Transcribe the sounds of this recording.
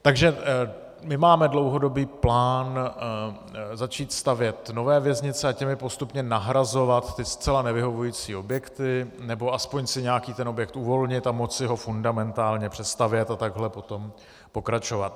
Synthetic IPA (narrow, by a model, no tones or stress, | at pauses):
t̪aɡʒɛ | mɪmaːmɛdlowɦo̞do̞biːplaːn | zat͡ʃiːt̪st̪avjɛt̪no̞vɛːvjɛzɲɪt͡sɛacɛmɪpo̞st̪upɲɛnaɦɾazo̞vat̪ːɪst͡sɛlanɛvɪɦo̞vujiːt͡siːo̞bjɛkt̪ɪnɛbo̞aspoɲsɪɲɛakiːt̪ɛno̞bjɛk̚t̪uvo̞lɲɪt̪amot͡sɪɦo̞fundamɛnt̪aːlɲɛpr̝̥ɛst̪avjɛt̪at̪aɡɦlɛpo̞t̪o̞m | po̞kɾat͡ʃo̞vat̪